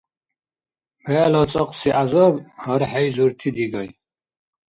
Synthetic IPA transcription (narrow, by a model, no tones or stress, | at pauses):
bɛlɔt͡sʼɔqʼsiʔazɐbhɐɾħɛjzuɾt̪ʰid̪iɡɐj